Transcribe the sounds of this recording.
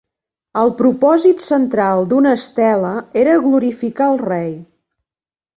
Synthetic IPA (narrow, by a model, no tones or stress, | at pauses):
əlˠpɾupɔzit̪sənt̪ɾalˠd̪unəst̪ɛləeɾəɣluɾifikaəlˠrɛj